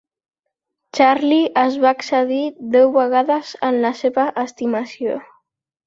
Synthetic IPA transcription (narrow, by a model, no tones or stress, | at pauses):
t͡ʃaɾliʔəzβaːksəðiðɛwβəɣaðəzənlaseβaʔəst̪imasjo̰